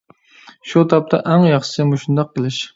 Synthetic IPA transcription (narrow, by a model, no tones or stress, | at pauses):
ʃut̪ʰɑp̚t̪ʰa̰ʔæŋjɑχʃɪ̥sɪmʊʃund̪ɑq̚ːəlˠɪʃ